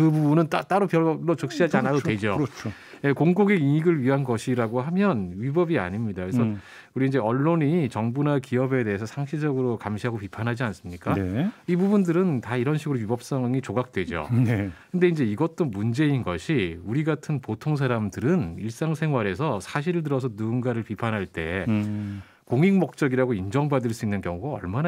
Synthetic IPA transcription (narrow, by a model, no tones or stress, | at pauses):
kɯbubunɯntat͈aɾopjʌɭɭːot͡ɕʌk̚ɕ͈iɦad͡ʑianadowed͡ʑot͡ɕʰo | jekoŋɡoɡeiiɡɯɭɥiɦanɡʌɕʰiɾaɡoɦamjʌnɥibʌbia̰ɲimɲidakɯɾessʌ | uɾiːnd͡ʑe̞ʌɭːoɲit͡ɕʌŋbunakiʌbe̞de̞ɦes̬ʰʌsʰaŋɕʰid͡ʑʌɡɯɾokamɕʰiɦaɡopipʰanɦad͡ʑians͈ɯmɲik͈aibubundɯɾɯntaiɾʌnɕʰiɡɯɾoɥibʌp̚s͈ʌŋŋit͡ɕoɡak̚t͈we̞d͡ʑo̰kʰɯnde̞ind͡ʑe̞iɡʌt͈̚omund͡ʑe̞inɡʌɕʰiuɾiɡatʰɯnpotʰoŋs̬ʰaɾamdɯɾɯniɭs͈aŋsʰe̞ŋɦwaɾe̞sʰʌsʰaɕ̬ʰiɾɯɭt̬ɯɾʌs̬ʰʌnunɡaɾɯɭpipʰanɦaɭt͈e̞ | koŋiŋmʌk̚t͡ɕ͈ʌɡiɾaɡoind͡ʑʌŋbadɯɭs͈uinːɯnkjʌŋuɡaʌ̰ɭmana